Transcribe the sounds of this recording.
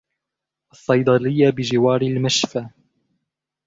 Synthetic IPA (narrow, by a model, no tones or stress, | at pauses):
ʔɑsˤːɑjd̪ˤɑlɪjːabɪd͡ʒɪwɑːɾɪlmaʃfa